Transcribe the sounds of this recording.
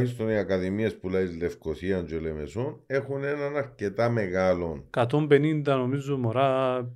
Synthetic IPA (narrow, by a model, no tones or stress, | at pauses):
çis̬t̪oniɐkɐðimie̞spulɐizle̞fkoθiɐnd͡ʒolemesone̞xune̞nɐnɐɾce̞t̪ɐmeɣɐlo̞nkɐt̪ombenind̪ɐno̞mizomoɾa